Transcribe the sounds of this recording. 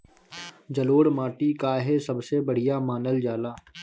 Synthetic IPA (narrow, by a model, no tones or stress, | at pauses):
d͡ʒɐloːɽmaːʈikaɦesɐbsebəɽ̤ijamaːnəld͡ʒaːlaː